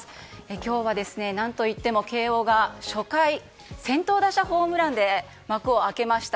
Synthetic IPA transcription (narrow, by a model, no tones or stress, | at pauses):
e̞kʲo̞ːβ̞ad̪e̞sɨne̞nãnt̪o̞it̪ːe̞mo̞ke̞ːo̞ːɡaɕo̞kai | sẽ̞nt̪o̞ːd̪aɕaɸo̞ːmɯ̟ɾãnd̪e̞ | makɯ̟o̞ake̞maɕi̥t̪